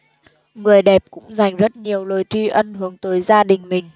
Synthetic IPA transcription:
ŋɨ˨˩əjɗɛ˨˩p̚kʊ̰˧˥ŋ͡mza˨˩jŋ̟zə˦˥t̚ɲi˨˩əwlo˨˩jt͡ɕi˧ʔə˧nɦɨ˨˦əŋt̪əː˨˦jzaː˧ɗï˨˩ŋ̟mï˨˩ŋ̟

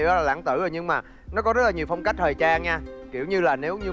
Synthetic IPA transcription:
ɔ˨˦laː˨˩la̰ː˧˩ŋt̪ɨ˧˩zəː˨˩ɲɨ˧ŋmaː˨˩ | nɔ˨˦kɔ˨˦zə˦˥laː˨˩ɲi˨˩əwfə˧wŋ͡mka˦˥jk̚t̪ʰəː˨˩jt͡ɕaː˧ŋɲaː˧ki˧˩əwɲɨ˧laː˨˩ne˨˦wɲɨ˧

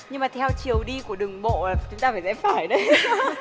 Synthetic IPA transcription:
ɲɨ˧ŋmaː˨˩t̪ʰɛ˧wt͡ɕi˨˩əwɗi˧ku˧˩əɗɨ˨˩ŋɓo̰˧˨laː˨˩t͡ɕʊ˨˦ŋ͡mt̪aː˧faː˧˩jsɛ̰˧˥faː˧˩jɗə˨˦j

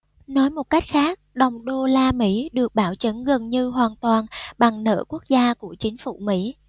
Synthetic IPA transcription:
nɔ˨˦jmo˨˩t̚ka˦˥jk̟̚xaː˦˥k̚ɗə˨˩wŋ͡mɗo˧laː˧mḭ˧˥ɗɨ˨˩ək̚ɓaː˧˩wt͡ɕə˨˦nɣə˨˩nɲɨ˧ɦwaː˨˩nt̪waː˨˩nɓa˨˩ŋnə̰ː˧˩ku˦˥ək̚zaː˧ku˧˩ət͡ɕï˨˦ŋ̟fṵ˧˩mḭ˧˥

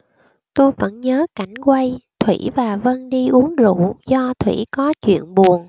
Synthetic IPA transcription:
t̪o˧jvə̰˧˥nɲəː˨˦ka˧˩jŋ̟kwa˧jt̪ʰwḭ˧˩vaː˨˩və˧nɗi˧ʔu˨˦əŋzṵ˧˨zɔ˧t̪ʰwḭ˧˩kɔ˨˦t͡ɕwḭ˧˨ənɓu˨˩ən

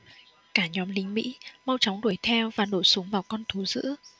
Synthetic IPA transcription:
kaː˧˩ɲɔ˨˦mlï˨˦ŋ̟mḭ˧˥ma˧wt͡ɕɔ˨˦wŋ͡mɗu˧˩əjt̪ʰɛ˧wvaː˨˩ɗo̰˧˩su˨˦əŋvaː˨˩wkɔ˧nt̪ʰu˨˦zɨ̰˧˥

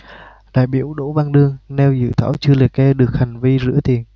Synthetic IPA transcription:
ɗa̰ː˧˨jɓi˧˩əwɗo̰˧˥va˧ŋɗɨ˧əŋnɛ˧wzɨ̰˧˨t̪ʰa̰ː˧˥˩wt͡ɕɨ˧əlɨ˨˩ək̚kɛ˧ɗɨ˨˩ək̚ha˨˩jŋ̟vi˧zɨ̰˧˥ət̪i˨˩ən

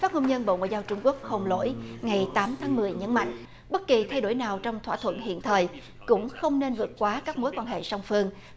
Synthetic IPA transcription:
faː˦˥t̚ŋo˧wŋ͡mɲə˧nɓo̰˧˨ŋa̰ː˧˨zaː˧wt͡ɕʊ˧ŋ͡mku˦˥ək̚ho˨˩ŋ͡mlo̰˧˥jŋa˨˩jt̪aː˨˦mt̪ʰaː˨˦ŋmɨ˨˩əjɲə˨˦nma̰˧˨jŋ̟ | ɓə˦˥t̚ki˨˩t̪ʰa˧jɗo˧˩jnaː˨˩wt͡ɕɔ˧wŋ͡mt̪ʰwa̰ː˧˩t̪ʰwə̰˧˨nhḭ˧˨ənt̪ʰəː˨˩j | kʊ̰˧˥ŋ͡mxə˧wŋ͡mne˧nvɨ˨˩ət̚kwaː˨˦kaː˦˥k̚mo˨˦jkwaː˧nhḛ˧˨sa˧wŋ͡mfɨ˧əŋ

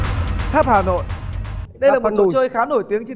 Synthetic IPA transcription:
t̪ʰaː˦˥p̚haː˨˩no̰˧˨jʔɗə˧jlaː˨˩o˨˩s̚t͡ɕəː˧jxaː˨˦no˧˩jt̪i˨˦əŋt͡ɕe˧

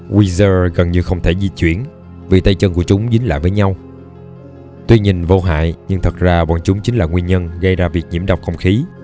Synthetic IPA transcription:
wi˧zəː˧ɣə˨˩nɲɨ˧xə˧wŋ͡mt̪ʰe˧˩zi˧t͡ɕwḭ˧˩˨ən | vi˨˩t̪ə˧jt͡ɕə˧nku˧˩ət͡ɕʊ˨˦ŋ͡mzï˨˦ŋ̟la̰ː˧˨jvəː˨˦jɲa˧w | t̪wi˧ɲï˨˩ŋ̟vo˧ɦa̰ː˧˨jɲɨ˧ŋt̪ʰə˨˩k̚zaː˧ɓɔ̰ː˧˨nt͡ɕʊ˨˦ŋ͡mt͡ɕi˨˦ŋlaː˨˩ŋwi˧nɲə˧nɣə˧jzaː˧vi˨˩ək̚ɲi˧˩əɗwk͡p̚xə̰˧˩wŋ͡mxi˨˦

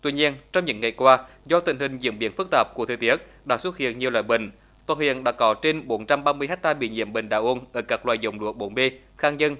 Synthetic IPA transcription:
t̪wi˧ɲi˧ənt͡ɕɔ˧wŋ͡mɲɨ̰˧˥ŋːa˨˩jkwaː˧ | zɔ˧t̪ï˧˩ŋ̟hï˨˩ŋ̟zḭ˧˥əmɓḭ˨˧˦ənfɨ˦˥k̚t̪aː˨˩p̚ku˧˩ət̪ʰːt̪i˦˥ət̚ | ɗa̰ː˧˥swə˦˥t̚hḭ˧˨ənɲi˨˩əwlwaː˧˨jɓḭ˧˨˩ŋ̟ | t̪waː˧˩hḭ˧˨ənɗa̰ː˧˥kɔ˨˦t͡ɕe˧nɓo˨˦nt͡ɕa˧mɓaː˧mɨ˧əjha˦˥k̚t̪aː˧ɓḭ˧˨ɲḭ˧˥əmɓe˨˩ŋ̟ɗaː˧˩ʔo˧nʔəː˧˩kaː˦˥k̚lwa̰ː˧˨jzə˨˩wŋ͡mlu˧˦˥k̚ɓo˨˦nɓe˧ | xaː˧ŋɲə˧n

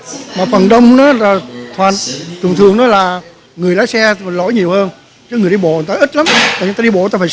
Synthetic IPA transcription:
maː˨˩fə˨˩nɗə˧wŋ͡mnɔ˨˦laː˨˩t̪ʰwaː˨˩nt͡ɕɨ˨˩ŋ͡mt̪ʰɨ˨˩əŋnɔ˨˦laː˨˩ | ŋɨ˨˩əjlaː˨˦jsɛ˧˨˩lo̰˧˥jɲi˨˩əwhəː˧n | t͡ɕɔ˧˦ŋɨ˨˩əjɗi˧ɓo̰˧˨˩t̪aː˧ʔi˦˥t̚la˨˦mt̪aː˨ɲ˧t̪a˧i˧ɓo̰˧˨t̪aː˧faː˧˩

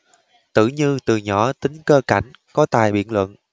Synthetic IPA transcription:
t̪ɨ̰˧˨ɲɨ˧t̪ɨ˨˩ɲɔ˧˩t̪ï˨˦ŋ̟kəː˧ka˧˩jŋ̟ | kɔ˨˦t̪a̰ː˨˩jɓḭ˧˨ənlwə̰˧˨n

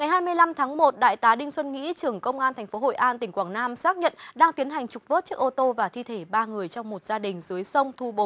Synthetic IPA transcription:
ŋa˨˩jɦaː˧jmɨ˧əjla˧mt̪ʰaː˨˦ŋmo˨˩t̚ɗa̰ː˧˨jt̪aː˨˦ɗï˧ŋ̟swə˧nŋḭ˧˥t͡ɕɨ˨˩əŋkə˧wŋ͡mʔaː˧nt̪ʰɛ˨˩ŋ̟fo˨˦ɦo̰˧˨jʔaː˧nt̪ï˧˩ŋ̟kwaː˧˩ŋnaː˧msaː˦˥k̚ɲə̰˧˨nɗaː˧ŋt̪i˨˦ənɦa˨˩jŋ̟t͡ɕu˨˩k͡p̚vo˦˥t̚t͡ɕɨ˦˥ək̚ʔo˧t̪o˧vaː˨˩t̪ʰi˧t̪ʰe˧˩ɓaː˧ŋɨ˨˩əjt͡ɕɔ˧wŋ͡mmo˨˩t̚z̥aː˧ɗï˨˩ŋ̟zɨ˨˦əjsə˧wŋ͡mt̪ʰu˧ɓo˨˦

